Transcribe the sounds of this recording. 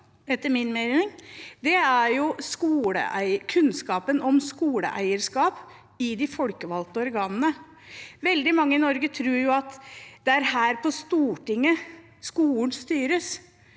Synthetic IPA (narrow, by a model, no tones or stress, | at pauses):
ɛt̪ːəmɪnmeɾnɪŋd̪ɛæɾjʊskuːlə̰ʔæ̰ɪkʰʉnskɑːpənɔmskuːlə̰ʔæ̰ɪəɾskɑːp | ɪd̪ɪfɔlkəʋɑlt̪əɔɾɡɑːnənə | ʋɛld̪ɪmɑŋːəɪnɔɾɡət̪ʰɾʉːɾjʊɑt̪d̪ɛæɾhæːɾpʰɔst̪uːʈɪŋːə | skuːlnst̪yːɾəs